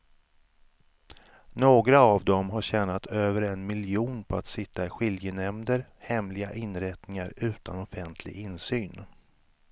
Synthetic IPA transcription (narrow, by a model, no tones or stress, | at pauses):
noːɡɾaːvd̪ɔmɦaɕɛːnat̪ʰøːvəɾɛnmɪljuːnpʰɔat̪sɪt̪ːaɪɧɪljənɛmd̪əɾhɛmlɪɡaʔɪnɾɛt̪nɪŋaɾʉ̟ːt̪ʰanɔfɛnt̪ʰlɪ̰ɡɪnsyːn